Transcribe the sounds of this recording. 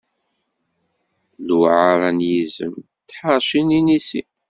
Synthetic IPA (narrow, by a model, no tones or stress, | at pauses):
luʕaɾˤænjizə̰m | t̪ːħɑɾˤʃininisi